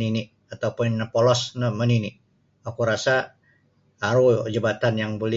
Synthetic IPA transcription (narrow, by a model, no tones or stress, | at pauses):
ninɪʔ | at̪aupʊnpolɔsnəməninɪʔ | akuɾasaː | ɾud͡ʒəbat̪anjaŋbolɛ